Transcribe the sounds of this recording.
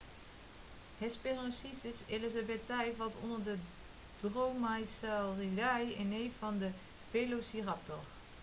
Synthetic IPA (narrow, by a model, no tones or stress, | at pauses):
hɛsperɔnsisɪselizabɛtɛjvɑlˠtɔ̰ndəɹdə | d̥rowmajsaridajɪnejfɑndə | pelosirɑp̚tɔr